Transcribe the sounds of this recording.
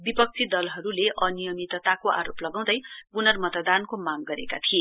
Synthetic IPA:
bipʌk̚t͡sʰid̪ʌlɦʌɾuleʔʌnijʌmit̪t̪akoʔa̰ɾoplʌɡaw̃d̪ʌjpunʌrmʌt̪d̪ankomaɡɡʌɾḛka̰t̪ʰie

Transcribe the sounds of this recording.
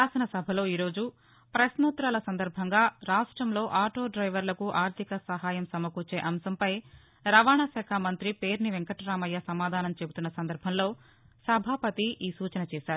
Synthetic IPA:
aːsɐnɐsɐbʱɐlo̞ːiːɾo̞ːd͡ʒu | pɾɐsnuːt̪ɾalɐsɐnd̪ɐɾbʱɐŋɡaːɾaːʂʈɾɐmlo̞ːʔaːʈo̞ːɖɾɐjʋɐɾlɐkuʔaːɾt̪ʰikɐsɐɦaːjɐmsɐmɐkuːt͡ʃeːʔɐmsɐmpɐj | ɾɐʋaːɳɐsɛːkʰamɐnt̪ɾipeːɾniʋeŋkɐʈɾaːmɐjːɐsɐmaːd̪ʱaːnɐmt͡ʃe̞but̪unːɐsɐnd̪ɐɾbʱɐmlo̞ː | sɐbʱaːpɐt̪iʔiːsuːt͡ʃɐnɐt͡ʃɛːsaːɾu

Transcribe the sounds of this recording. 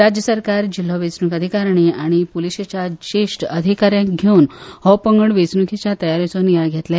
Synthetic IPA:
ɾad͡ʑjəsəɾkaɾd͡ʑilɦɔʋet͡snukəd̪ʱikaɾɳ̃iaɽ̃ipuliɕet͡ɕjat͡ɕeʂʈəd̪ʱikaɾjãkɡʱeunhɔpəŋɡəɳʋet͡snukʰit͡ɕjat̪əjaɾit͡sonjaɡʱet̪la

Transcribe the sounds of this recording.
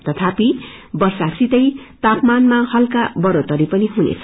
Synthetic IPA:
t̪ʌt̪ʰapibʌrsasit̪ʌjt̪apmanmahʌlkabʌɾot̪ʌɾipʌniɦunḛt͡sʰʌ

